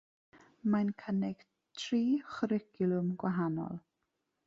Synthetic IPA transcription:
mankʰənɪɡ̥ | tʰriːχɾɪɡjʊlˠʊmɡwaɦanɔ̰lˠ

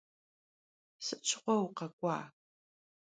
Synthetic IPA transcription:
sɨt͡ʃʰɪ̥qʷɔwqɐkʷʼɑ̰ː

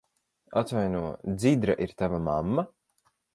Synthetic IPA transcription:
at̪vajnuɔd̪zid̪ɾaʔiɾt̪avamamːa

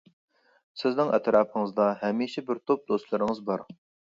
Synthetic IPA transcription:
sɪznɪŋʔɛ̰t̪ɾɑːpʰəŋɨzd̪ɑɦɛmiʃɛbɪɾt̪ʰop̚d̪ost̪lˠɨɾɪŋɨzbɑɾ

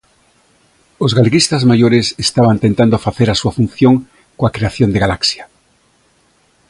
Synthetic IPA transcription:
ozɣaleɣist̪azmajoɾesest̪aβant̪ent̪and̪ofaθeɾasuafun̟θjoŋ | koakɾeaθjond̪eɣalaksja

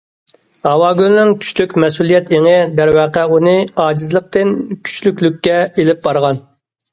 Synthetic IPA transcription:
hɑwɑːɡʲylnɪŋkʲʰy̥t͡ʃlykʲmɛsulˠijɛt̪eŋɪd̪ɛɾwɛqɛunɨɑːd͡ʒizlˠəq̚t̪ɪnkʲʰy̥t͡ʃlykʲlykʲːɛelɪp̚bɑɾʁɑn

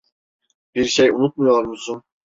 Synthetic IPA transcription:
b̥iɾʃejṵnut̪̚mujoɾmusun

